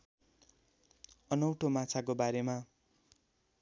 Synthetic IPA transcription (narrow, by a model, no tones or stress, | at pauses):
ʌnʌwʈʰomat͡sʰakobaɾema